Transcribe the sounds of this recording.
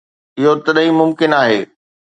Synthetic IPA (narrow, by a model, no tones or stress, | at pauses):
ɪɦot̪ɐɗɦimʊmkɪnaːɦeː